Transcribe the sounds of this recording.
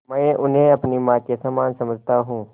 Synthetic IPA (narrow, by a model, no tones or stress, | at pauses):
mə̃ʔʊnɦẽɐpnimaːt̪kesamaːnsɐməd͡ʒʱt̪aɦũː